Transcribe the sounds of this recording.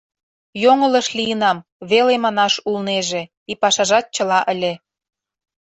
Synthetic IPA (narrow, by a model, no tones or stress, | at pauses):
joŋə̆lə̆ʃlʲijənɑmβelemɑnɑʃulneʒe | ipɑʃɑʒɑt̪̚t͡ɕə̆lɑʔəlʲe